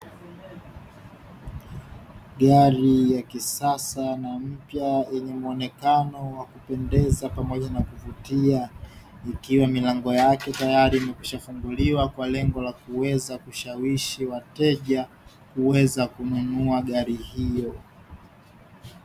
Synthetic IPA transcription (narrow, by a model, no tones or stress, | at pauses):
ɠaɾijakisasanam̩pjajɛɲɛmuɔnɛkanɔwakupɛndɛzapamɔʄanakuvutia | ikiwamilaŋɡɔjakɛtajaɾiːmɛkwiʃafuŋɡuliwakwalɛŋɡɔlakuwɛzakuʃawiʃiwatɛʄa | kuwɛzakununuaɠaɾihijɔ